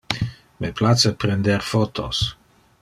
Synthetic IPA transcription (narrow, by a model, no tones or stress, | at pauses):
meplat͡səpɾend̪eɾfot̪ʰo̰s